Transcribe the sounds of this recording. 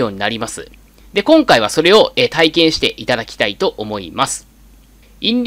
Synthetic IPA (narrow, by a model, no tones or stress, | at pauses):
o̞ːɲ̟inaɾʲimasɨ̰ | d̪e̞kõ̞ŋkaiβ̞aso̞ɾe̞o̞ʔet̪aikẽ̞ɰ̃ɕi̥t̪e̞ʔit̪ad̪akʲi̥t̪ait̪o̞ʔomo̞ḭmasɨ̥ | ĩndʲ